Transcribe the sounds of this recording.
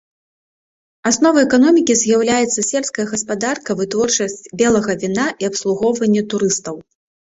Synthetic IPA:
asnɔvɐɛkanɔmʲikʲizʲjawlʲajɛt̪sːɐsʲɛlpskɐjɐɣɐspad̪arkɐvɨt̪vɔrt͡ʂɐsʲt͡sʲbʲɛlˠɐɣɐvʲinaʔiɐpslˠuɣɔwvɐnʲːɛt̪uɾɨst̪ɐw

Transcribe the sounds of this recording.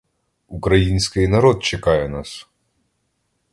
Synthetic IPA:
ukɾɐjinʲsʲkɪjnɐɾɔt̪̚t͡ʃɛkajɛnas

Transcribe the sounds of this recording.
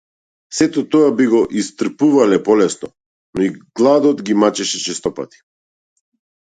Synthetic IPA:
sɛt̪ɔt̪ɔabiɡɔʔist̪r̩puvalɛpɔlɛsnɔ | nɔiɡ̥lˠad̪ɔt̪ɡimat͡ʃɛʃɛt͡ʃɛst̪ɔpa̰t̪i̥

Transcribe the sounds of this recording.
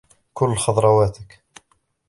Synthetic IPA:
kʊlːxɑd̪ˤɾˤɑwaːt̪ɪk

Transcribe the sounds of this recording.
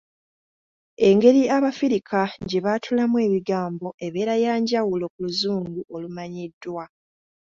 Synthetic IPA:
e̞ŋɡe̞ɾiaβafiɾikʰaɲɟeβatʰulamwe̞ːβiɡaːmbo̞ʔe̞βe̞ːɾajaːɲɟawulo̞kuluzuːnɡuʔo̞lumaɲidːwa

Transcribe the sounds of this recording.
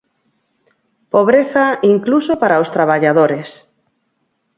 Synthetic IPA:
poβ̞ɾeθaiŋklusopaɾaost̪ɾaβ̞aʎaðoɾes

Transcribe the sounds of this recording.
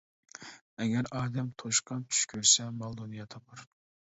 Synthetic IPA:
ɛɡʲɛɾɑːd̪ɛmt̪ʰoʃqʰɑnt͡ʃ̪ʰy̥ʃkʲʰøɾsɛmɑlˠd̪onijɑt̪ʰɑpʰɑɾ

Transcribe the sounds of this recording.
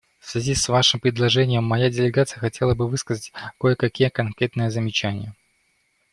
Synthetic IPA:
fsʲvʲɪzʲisvaʂɨmpɾʲɪd̪lˠɐʐɛnʲɪjəmːɐjadʲɪlʲɪɡat̪sɨjəxɐtʲe̞lˠəbɨvɨskəzətʲkojəkɐkʲijəkɐnkɾʲe̞t̪nɨjəzəmʲɪt͡ɕænʲɪjə

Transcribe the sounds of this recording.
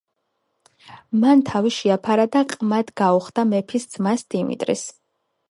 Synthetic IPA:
mant̪ʰaviʃiapʰaɾad̪aqʼmad̪ɡauχd̪amɛpʰisd̪z̥masd̪̥imḭt̪ʼɾḭs

